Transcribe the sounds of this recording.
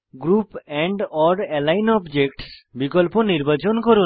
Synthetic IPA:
ɡɾupɛɳɖɔɖɛlajnɔbd͡ʑekʈsbikolponiɾbat͡ɕonkoɾu

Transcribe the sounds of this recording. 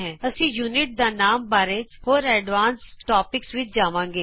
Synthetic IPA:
ɦɛ̃ːəsĩːjuːnɪʈ̚d̪aːnaːmbaːɾeːt͡ʃhoːɾɛːɖʋaːnsʈaːpɪksʋɪt͡ʃd͡ʒaːʋãːŋɡeː

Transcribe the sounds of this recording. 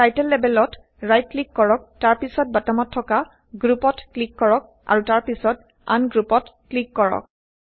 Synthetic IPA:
tajtɛlːɛbɛlɔt | ɹajt̚klikːɔɹɔk̚taɹpisɔt̚batɔmɔtʰːɔka | ɡɹupɔtklikːɔɹɔk̚ | ʔa̰ɹutaɹpisɔt̚ | a̰nɡɹupɔtklikːɔɹɔ̰k̚

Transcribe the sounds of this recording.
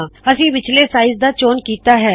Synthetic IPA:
əsĩːʋɪt͡ʃleːsaːɪzd̪aːt͡ʃoːnkiːt̪aːɦɛː

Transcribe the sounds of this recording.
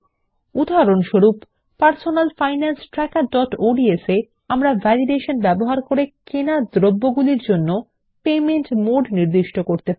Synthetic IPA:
ud̪ʱaaɾonʃoɾupː | aɾsonalfajnansʈɾɛkaɾɖɔʈoɖiese | amɾavʱɛliɖeʃonbɛboɦaɾkoɾekenad̪ɾobːoɡuliɾd͡ʑonːo | pemenʈmoɖniɾd̪iʃʈokoɾt̪e

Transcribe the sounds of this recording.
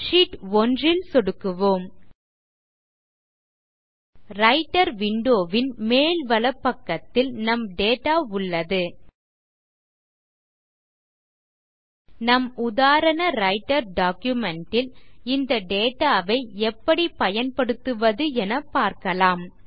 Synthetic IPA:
ʂiʈɔndrɪlsɔɽɯkːɯʋoːm | ɾɐɪʈːɐɾʋɪɳɖoːʋɪnmeːlʋɐlɐpːɐkːɐt̪ːɪlnɐmɖeːʈaːʊɭːɐðɯ | nɐmʊðaːɾɐnɐɾɐɪʈːɐɾɖaːkjʊmɛɳʈɪlɪnd̪ɐɖeːʈaːʋɐɪɛpːɐɽipɐjɐnpɐɽɯt̪ːɯʋɐðɯɛnɐpaːɾkɐlaːm

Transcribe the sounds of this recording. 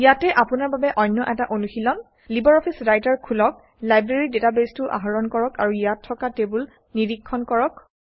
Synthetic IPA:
ijatɛʔapunaɹbabɛʔɔjnːɔʔɛtaʔonuxilɔn | libɔɹɔpʰisɹajtaɹkʰulɔk̚ | lajbɹeɹidetabestʊʔa̰ɦɔɹɔnkɔɹɔka̰ɹujatʰːɔkatebul | niɹikʰːɔnkɔɹɔk

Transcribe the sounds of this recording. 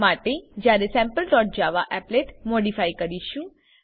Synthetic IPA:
maʈed͡ʒjaɾesɛ̃mpəlʈɔʈ̚d͡ʒaʋaʔɛpleʈmoɽifajkəɾiʃũ

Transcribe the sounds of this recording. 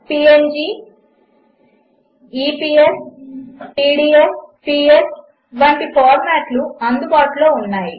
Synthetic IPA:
piːend͡ʒiː | iːpiːes | piːɽiːespiːes | ʋɐɳʈipʰaːɾmaːʈluɐnd̪ubaːʈulo̞ːunːaːji

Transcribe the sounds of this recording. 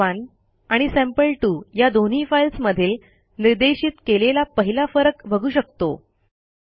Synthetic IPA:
an | aɽ̃isæ̃mpəlʈuːjad̪on̤iːfailsməd̪ʱiːl | niɾd̪eɕiːt̪kelelapəɦilafəɾəkbʱəɡʱuːɕək̚t̪o

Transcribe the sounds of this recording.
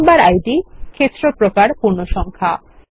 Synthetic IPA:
mbaɾajɖikʰet̪ːɾopɾokaɾpuɾnoʃɔŋkʰa

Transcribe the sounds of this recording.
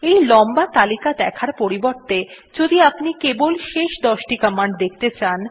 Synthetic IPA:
ejlɔmbat̪alikad̪ɛkʰaɾpoɾiboɾt̪e | d͡ʑod̪iapnikebolʃeʃd̪ɔʃʈikəmaɳɖd̪ek̚ʰt̪et͡ɕan

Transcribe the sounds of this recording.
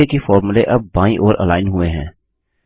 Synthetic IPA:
ekefɔːɾmʊleʔɐb̚ːãːĩʔɔːɾʔə̰laːɪnɦʊeɦɛ̰̃ː

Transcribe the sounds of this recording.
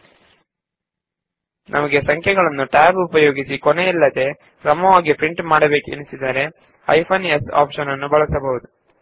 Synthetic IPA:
nʔɐmɐɡe̞sɐŋkʰjɛɡɐɭɐnːuʈaːbupɐjo̞ːɡisikoneilːɐd̪e̞ | kɾɐmɐʋaːɡipɾiɳʈmaːɽɐbe̞ːkuḛnisid̪ɐɾe̞ | ɐ̰jpʰɐnesa̰ːpʂɐnɐnːubɐɭɐsɐbɐʋud̪u

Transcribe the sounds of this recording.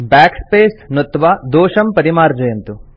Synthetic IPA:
baːkspeːsnot̪ːʋaːd̪oːʂɐmpɐɾimaːɾd͡ʒɐjɐnt̪u

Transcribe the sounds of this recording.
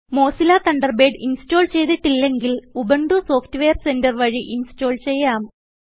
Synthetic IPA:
mo̞ːsilaːt̪ɐɳɖɐrbeːɖinsto̞ːlt͡ɕe̞jt̪iʈːilːe̞ŋɡilubɐɳɖuso̞ːftːɨʋejɐrse̞ndɐrʋɐɻiʔinsto̞ːlt͡ɕe̞jːaːm

